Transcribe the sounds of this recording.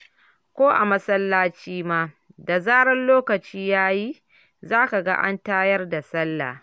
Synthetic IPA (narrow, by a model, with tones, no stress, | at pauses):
kʷoː˦ʔa̰˨mɐ˦sɐ˦lːaː˦t͡ʃiː˦maː˦ | da˨zaː˦ɽɐ˦nloː˦kɐ˨t͡ʃiː˦jaː˦ji˦ | zaː˦ka˨ɡa̰˦ʔa̰˦ntaː˦jɐ˦rda˨sɐ˦lːa̰ː˨